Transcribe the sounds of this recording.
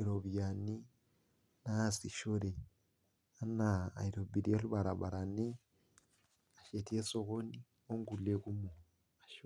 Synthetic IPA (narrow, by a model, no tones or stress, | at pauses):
iɾoβijani | nasiʃoɾe | ana̰ːiɾobiɾialuβaɾaβaɾane | aʃetiesoɣoni | oŋɡuleɣumo | aʃo